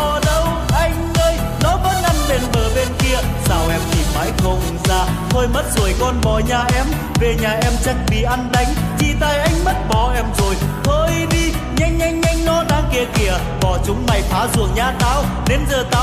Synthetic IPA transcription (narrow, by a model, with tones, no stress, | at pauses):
ɔ˨˩ɗə˧w | ʔa˧jŋ̟əː˧j | nɔ˨˦ɓə˦˥t̚ʔa˧nle˧nɓəː˨˩ɓe˧nki˧əzaː˧˩wʔɛ˧mt̪ʰi˨˩ma̰ː˨˦jxə˧wŋ͡mzaː˧t̪ʰoː˧jmə˦˥t̚zo˨˩jkɔ˧nɓɔ˧˩ɲaː˨˩ʔɛ˧˥m | ve˨˩ɲaː˨˩ʔɛ˧mt͡ɕa˧ŋ̚ɓḭ˨˩ʔa˧nɗa˨˦jŋ̟ | t͡ɕi˧˩t̪aː˧˩jʔa˧jŋ̟mə˦˥t̚ɓɔ˧˨˩ʔɛ˧mzo˨˩jhəː˧jɗi˧ | ɲa˧jŋ̟ɲa˧jŋ̟ɲa˧jŋ̟nɔ˨˦ɗa̰ː˧˥ki˨˧˩əki˨˧˩ə | ɓɔ˧˩t͡ɕʊ˨˦ŋ͡mma˨˩jfʰaː˨˦zṵ˧˩əŋɲaː˧˩t̪aː˧w | ne˨˧nzəː˨˩t̪aː˧˦